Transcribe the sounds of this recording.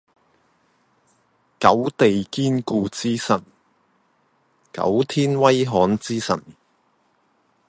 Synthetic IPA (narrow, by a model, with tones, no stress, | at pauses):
kɐ˨˥wt̪e˨jkiː˥nkuː˧t͡siː˥sɐ˨˩n | kɐ̰˨˥wt̪ʰiː˥nwɐ˥jɦɔː˨˥nt͡siː˥sɐ̰˨˩n